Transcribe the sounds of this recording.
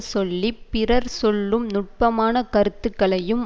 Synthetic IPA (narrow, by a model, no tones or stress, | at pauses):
sɔlːipɪrɐɾsɔɭːɯmnʊʈ̚pɐmaːnɐkɐɾɯt̪ːɯkːɐɭɐjɯm